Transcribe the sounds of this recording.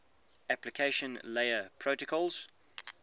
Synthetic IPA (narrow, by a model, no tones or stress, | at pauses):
æplɪkʰeɪʃə̃nleɪəpʰɹ̥oʊtəkʰɔlˠz̥